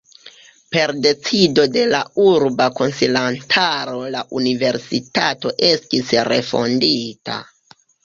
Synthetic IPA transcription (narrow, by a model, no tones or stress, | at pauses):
pe̞ɾde̞t͡sido̞de̞lauɾbako̞nsilantʰaɾo̞laʔunive̞ɾsitato̞ʔe̞stisɾe̞̰fo̞̰ndita̰